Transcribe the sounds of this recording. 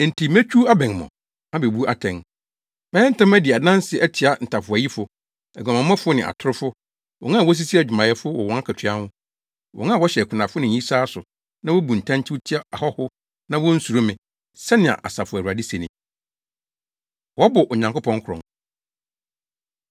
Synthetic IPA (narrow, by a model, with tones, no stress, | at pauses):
n̩˨tʰi˨mɛ̃˦t͡ɕᶣu˦a˦bɛ̃˨ŋ˨mɔ̰̃˨ | ã˦be˨bu˦ʔa˨tʰɛ̃˨ŋ | mɛ̃˦ɛ̃˦n̩˦tã˦mæ˦dɪ˨a˨dã˦n˦sɪ˨æ˦tʰɪ˨a˨n̩˨tʰa˨fʊ˨æ˨ji˦fʊ˨ | ɛ˨ɡã˨mã˨˦mã˦fʊ˦nɪ̃˨a̰˨tʰʊ˦ɾʊ˦fʊ˦ | wɔ̰̃˨nã˦a˨wɔ˦s̬i˦si˦æ˨d͡ʑᶣɪ˨mã˨jɛ˦fʊ˦wɔ˨wɔ̃˨ŋa˦kʰɛ˨tʰɥa˦hʊ̃˦ | wɔ̰˨ŋã˦˨wɔ˦ɕɛ˨kʷʰʊ˨nã˨fʊ˦nɪ̃˨ɲ˨ĩ˦saː˦sʊ˨ | nã˦wɔ˦bu˨n̩˨tʰã˦n˦t͡ɕʰɪ˦ʊ˦tʰɪ˦a˦a˨hɔ˦hʊ˦ | nã˦wɔ˦n̩˦su˨ɾʊ˦mɪ̃˨ | sɛ˦nɪ̃˨a̰˨ʔa̰˨sa˨fʊ˨æ˨wa˨di˦sɛ˨nɪ̃˨ | wɔ˦bʊ˨ʔɔ˨ɲã˨ŋkʊ˦pʰɔ̃˦ŋ˦kʰʊ˨ɾɔ̰̃˨ŋ